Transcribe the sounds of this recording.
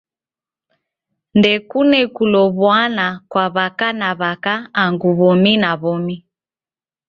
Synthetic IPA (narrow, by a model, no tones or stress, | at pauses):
ndɛkunɛkulɔβwanakwaβakanaβakaːŋɡuβɔminaβɔmi